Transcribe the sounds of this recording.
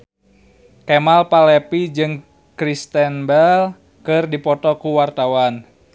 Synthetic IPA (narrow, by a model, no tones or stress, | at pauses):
kɛmalpalɛpid͡ʒɨŋ | kɾist̪ɛnbɛl | kɨrdipɔt̪ɔkuwart̪awan